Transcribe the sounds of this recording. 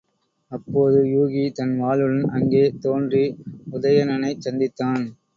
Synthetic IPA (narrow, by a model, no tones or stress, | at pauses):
ɐpːoːðɯjuːɣit̪ɐnʋaːlɯɻɐnʔɐŋɡeːt̪oːndriʊðɐjɐnɐnɐɪt͡ʃːɐnd̪ɪt̪ːaːn